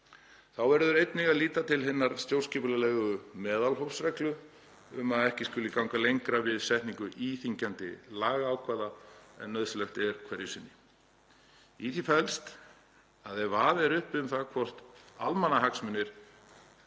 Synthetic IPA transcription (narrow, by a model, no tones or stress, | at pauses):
θawvɛɾðʏɾejt̪nɪɣaðliːt̪at̪ʰɪlɦɪnːaɾ̥st̪jowr̥scɪplalɛɣʏmɛːðalɦowfsɾɛklʏ | ʏmaðɛhcɪskʏlɪkawŋkalejŋkɾavɪðsɛht̪niŋkʏʔiːθiɲcant̪ɪ̰laːɣaaːwkʰvaːðaɛ̰nːœðslɛxt̪ɛɾ̥kʰvɛɾjɪsɪnːɪ | iθifɛlst̪ | aðɛɾvaːðɛɾʏhpʏmθakʰvɔr̥t̪almanːaɦaksmʏnːɪɾ̥